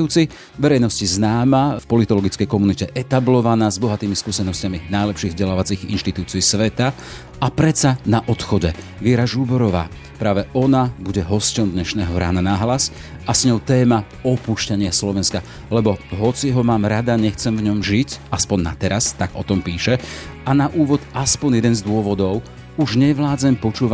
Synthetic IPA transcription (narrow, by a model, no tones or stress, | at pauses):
uːt͡si | ʋɛɾɛjnɔsciznaːmafpɔlit̪ɔlɔɡit͡skɛjkɔmunicɛʔɛt̪ablɔʋanaːzbɔɦat̪iːmiskuːsɛnɔscaminajlɛpʃiːɣvzɟɛlaːʋat͡siːɣḭnʃt̪it̪uːt͡siːsʋɛt̪a | apɾɛt͡sanaʔɔt̪xɔɟɛ | ʋɪɛɾaʒubɔɾɔʋa̰ː | pɾaːʋɛʔɔnabuɟɛɦɔscɔmd̪ɲɛʃnɛːɦɔɾa̰ːnanaɦlas | asɲɔʊt̪ɛːma | ɔpuʃcaɲɪaslɔʋɛnska | lɛbɔɦɔt͡siɦɔmaːmɾad̪aɲɛxt͡sɛmvɲɔmʒicaspɔnnːa̰t̪ɛɾast̪aɡ̥ɔ̰t̪ɔmpiːʃɛanaʔuːʋɔd̪aspɔɲnjɛd̪ɛnzd̪ʊɔʋɔd̪ɔʊ | uʒɲɛʋlaːd͡zɛmpɔt͡ʃuːʋa